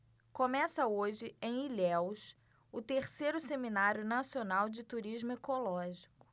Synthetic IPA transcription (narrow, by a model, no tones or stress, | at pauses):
kõmɛsɐoʒɪẽj̃ilɛwʃ | ʊt̪eɾsejɾʊseminaɾjʊnasionawd͡ʒɪt̪uɾiʒmʊekolɔʒikʊ̥